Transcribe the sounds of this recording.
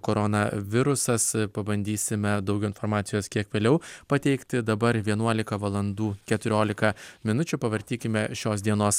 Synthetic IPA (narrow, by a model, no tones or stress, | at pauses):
koːɾɔnɐ̰ʋʲɪɾʊsɐspɐbɐnʲd̪ʲiːsʲɪmʲɛd̪ɒʊɡʲɛʊɪnfɔɾmɑːt̪sʲɪjoːskʲiɛkʋʲeːlʲɛʊpɐt̪ʲɛɪkt̪ʲɪd̪ɐbɐɾʋʲiɛnuɔlʲɪkɐʋɐlˠɐnd̪uːkʲɛt̪ʊɾʲoːlʲɪkɐmʲɪnʊt͡ʃʲʊpɐʋɐɾʲt̪ʲiːkʲɪmʲɛʃʲoːsd̪ʲiɛnoːs